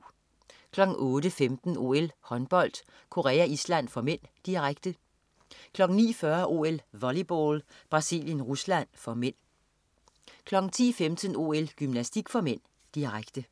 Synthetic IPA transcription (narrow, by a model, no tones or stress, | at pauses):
kʰlɒ̽ɡ̥ŋ̩ɔːdəfemd̥n̩o̝̰elhɒ̽nb̥ɒ̽l̰d̥ | kʰo̝ʁɛ̰ːæislæn̰fɒ̽men̰d̥iʁaɡ̥d̥ə | kʰlɒ̽ɡ̥ŋ̩nḭːfɶɐʔo̝̰elʋɒlib̥o̰ːlb̥ʁɑ̈sḭːljənʁuslæn̰fɒ̽men̰ | kʰlɒ̽ɡ̥n̩t͡sʰḭːfemd̥əno̝ːelɡ̥ymnæsd̥iɡ̥fɒ̽men̰ | d̥iʁaɡ̥d̥ə